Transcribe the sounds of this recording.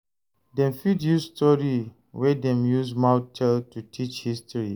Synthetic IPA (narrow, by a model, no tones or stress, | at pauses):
dɛ̃mfidjusstʰɔɹi | wɛdɛ̃mjusmawtʰɛltutʰit͡ʃhistɹi